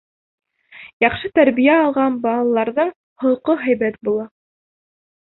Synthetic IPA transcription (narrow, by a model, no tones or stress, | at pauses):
jɑχʃɤt̪æɾβijæɑlˠʁɑnbɑːlˠɑlˠɑɾðɤɴ | hŏlqoɦæjβæt̪̚bulˠɑ